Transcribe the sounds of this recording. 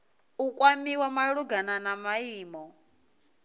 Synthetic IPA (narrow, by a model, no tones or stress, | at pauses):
ukʼwamiwamaɺuɡananamaiːmɔ